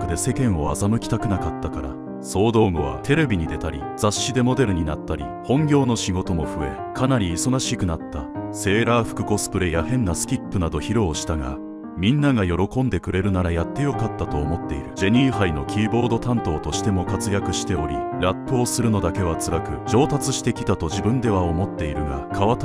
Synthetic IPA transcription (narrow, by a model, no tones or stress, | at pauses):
kɯ̟d̪e̞se̞kẽ̞ɰ̃o̞a̰zamɯ̟kʲi̥t̪akɯ̟nakat̪ːakaɾa̰ | so̞ːd̪o̞ːmoβ̞a̰t̪ʰe̞ɾe̞bʲiɲ̟id̪e̞t̪aɾʲḭd͡zaɕːid̪e̞mo̞d̪e̞ɾɯ̟ɲ̟inat̪ːaɾʲḭ | hõ̞ŋɡʲo̞ːno̞ɕiɡo̞t̪o̞mo̞ɸɯ̟e̞̰ | kanaɾʲiːso̞ɡaɕikɯ̟nat̪ːase̞ːɾaːɸɯ̥kɯ̟̥ko̞sɨ̥pɯ̟ɾe̞jahẽ̞nːasɨ̥kʲipːɯnad̪o̞çiɾo̞ːɕi̥t̪aɡa̰ | mʲĩnːaɡajo̞ɾo̞kõ̞nd̪e̞kɯ̟ɾe̞ɾɯ̟naɾajat̪ːe̞jo̞kat̪ːat̪o̞ːmo̞t̪ːe̞̰ḭɾɯ̟d͡ʑe̞ɲ̟ĩɰhaino̞kʲiːbo̞ɾd̪o̞t̪ãnt̪o̞ːt̪o̞ɕi̥t̪e̞mo̞kat͡sɨjakɯ̟ɕi̥t̪e̞o̞ɾʲḭɾapːɯːsɨɾɯ̟no̞d̪ake̞β̞at͡sɨɾakɯ̟d͡ʑo̞ːt̪at͡sɨɕi̥t̪e̞kʲi̥t̪at̪o̞ʑibɯ̟̃nd̪e̞β̞aomo̞t̪ːe̞iɾɯ̟ɡa̰kʰaβat̪